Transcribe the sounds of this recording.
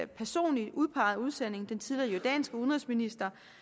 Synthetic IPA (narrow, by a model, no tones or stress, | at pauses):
pʰæɐso̝̰ːnli̥uð̞ˠpʰɑ̈ːð̩ˠuð̞ˠsen̰e̝ŋd̥ent͡sʰiðliɐjɒd̥ɛ̰nsɡ̥əuðnʁɛsminisd̥ɐ